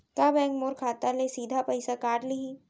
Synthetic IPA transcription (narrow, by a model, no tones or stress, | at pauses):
kabɛ̃ːŋkmoːɾkʰaːt̪alesiːd̪ʱapɐɪsakaːɾlii